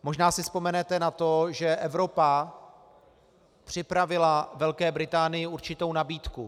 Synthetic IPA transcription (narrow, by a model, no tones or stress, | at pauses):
mo̞ʒnaːsɪspo̞mɛnɛt̪ɛnat̪oʒɛʔɛvɾo̞pa | pr̥ɪpɾavɪlavɛlkɛːbɾɪt̪aːnɪjɪuɾt͡ʃɪt̪ownabiːt̪ku